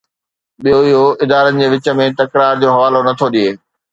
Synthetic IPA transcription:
ɓijoɪɦoɪd̪aːɾənɪ̆d͡ʑeːʋɪt͡ɕə̆mẽt̪ɐkɾaːɾd͡ʑoːɦɐʋaːlonɐt̪ʰoɗieː

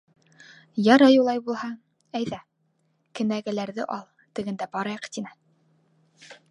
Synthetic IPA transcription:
jɑɾɑjulˠɑjbulˠhɑ | æjðæ | kɘ̆næɡæ̆læɾðɘ̰ʔɑlˠ | t̪ɘ̆ɡɘ̆nd̪æbɑɾɑjɑqt̪inɘ

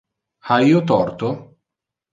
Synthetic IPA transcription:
aiːot̪ɔrt̪o

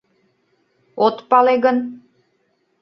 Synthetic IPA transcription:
ot̪pɑleɣən

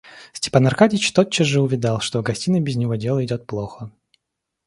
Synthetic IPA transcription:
sʲtʲɪ̥panɐrkadʲɪt͡ɕt̪ot̚t͡ɕːəzʐɨʊvʲɪd̪ɑlˠʂt̪oɡɐsʲtʲinəbʲɪzʲnʲɪvodʲe̞lˠəɪdʲo̞t̪̚plˠoxə

